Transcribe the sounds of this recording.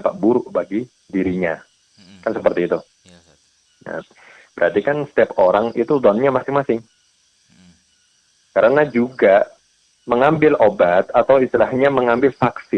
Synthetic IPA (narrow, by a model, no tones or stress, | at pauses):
paʔbuɾʊʔbaɡi | diɾiɲa | kansəpərt̪iːt̪u | na̰ | b̥əɾat̪ikansə̥t̪ɛpoɾaŋit̪ud̪ɔnɲamasɪŋmasɪŋ | kaɾənad͡ʒuɡa | məŋambɪlobat̪at̪awist̪ilahɲaməŋambɪlfaksɪ